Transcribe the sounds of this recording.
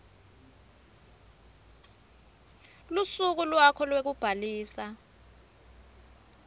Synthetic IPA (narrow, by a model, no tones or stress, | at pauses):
lusuk̬ulwakʰɔlwek̬ub̥ʱaliːsa